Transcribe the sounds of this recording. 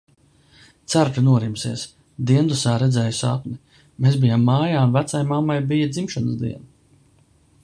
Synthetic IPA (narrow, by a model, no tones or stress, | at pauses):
t̪saɾt̪unuɔɾimsiɛs | d̪iɛnd̪usaːɾɛd̪zɛːjusapni | meːsbijamːaːjaːunvæt̪sajmamːajbijɐd̪zimʃanəsd̪ḭɛn